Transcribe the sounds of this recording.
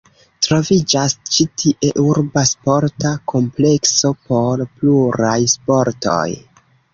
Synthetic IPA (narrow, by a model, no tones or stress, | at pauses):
tɾo̞vid͡ʒast͡ʃitʰiʔe̞ʔuɾbaspo̞ɾtakʰo̞mple̞kso̞po̞ɾpluɾajspo̞ɾto̞̰j